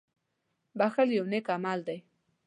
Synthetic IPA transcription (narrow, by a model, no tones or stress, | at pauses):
baxaljawnekamald̪aj